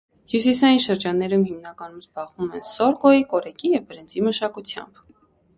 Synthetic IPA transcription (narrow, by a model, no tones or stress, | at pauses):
hjus̬isɑjinʃəɾd͡ʒɑnːɛɾumhimnɑkɑnumzbɑʁvumɛnsɔɾkɔjikɔɾɛkijɛvbəɾɛnd͡ziməʃɑkut͡sʰjɑ̰mb̥